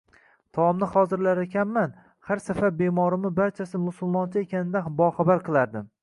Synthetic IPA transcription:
t̪ʰɒmnɪhɒzɪɾlaɾekʲʰanman | haɾsafaɾbemɒɾɪmɪbaɾt͡ʃʰasɪmʊsʊlˠmɒnt͡ʃʰɪe̞kʲanɪd̪abɒχabaɾqʰɨlˠaɾd̪ɪm

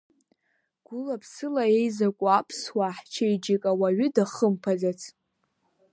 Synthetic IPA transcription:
ɡ̥ʷʊlapʰsɨlae̞jzakʷʼʊapʰswaħt͡ʃʰajd͡ʒikʼawaɥʏdaχəmpʰazat͡sʰ

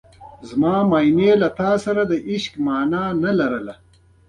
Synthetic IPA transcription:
zmaːmaːjnelɐt̪aːsɐɾad̪ɐʔɪʃkmaːnaːnɐlɐɾɐla

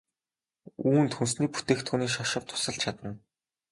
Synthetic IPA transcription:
uːnt̪xuns̬niːput̪eːxt̪xuːniːʃaʃə̆p̚t̪ʰʊ̥sə̆ɬt͡ɕʰat̪ə̆n

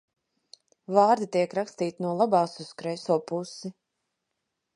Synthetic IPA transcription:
vɑːɾd̪it̪iɛkɾakst̪iːt̪inuɔlˠabɑːsuskɾɛjsuɔpusi

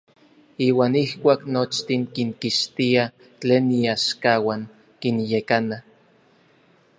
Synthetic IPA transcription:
iːwaːnihkʷaːknot͡ʃt̪iŋkiŋkiʃt̪ia | t͡ɬeːnːiaʃkawaŋ | kinjekana

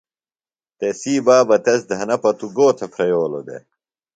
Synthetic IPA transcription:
t̪esiːbaːbɐt̪esd̪ʱɐnɐpɐt̪uɡoːt̪ʰepʰɾejoːlo̰d̪ḛ

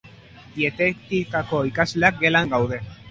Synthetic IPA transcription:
diet̪ekt̪ikako̞ikazle̞ak̚ɡe̞laŋɡawðe̞

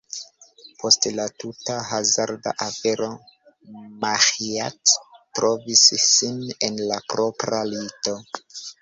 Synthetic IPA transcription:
pʰo̞stlatutaɦazaɾda̰ʔafe̞ɾo̞ | mahiattɾo̞visːine̞nlapɾo̞pɾalito

